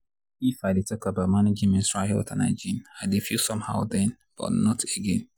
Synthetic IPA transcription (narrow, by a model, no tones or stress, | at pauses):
ifaɪdetʰɔkabaʊtmanid͡ʒĩmĩnsɹahɛ̰ltʰanaɪd͡ʒĩnaɪdefisɔ̃mha̰ʊdɛ̃n | b̥ɔ̰tnɔteɡɛ̃n